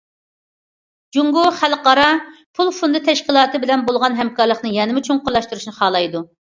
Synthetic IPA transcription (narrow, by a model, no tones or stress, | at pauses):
d͡ʒuŋɡuχælqɑɾɑpʰulˠfund̪ɨt̪ʰɛʃqʲilˠɑːt̪ɨbɪlɛnbolˠʁɑnɦɛmkɑɾlˠəχnɨjɛnɪmut͡ʃʰuŋqʊlˠɑʃt̪uɾuʃnɨχɑːlˠɑjd̪u